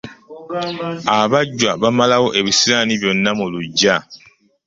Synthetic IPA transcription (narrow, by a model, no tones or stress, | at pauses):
aβaɟːwaβamalawo̞ʔe̞βisiɾaniβjo̞nːamuluɟːa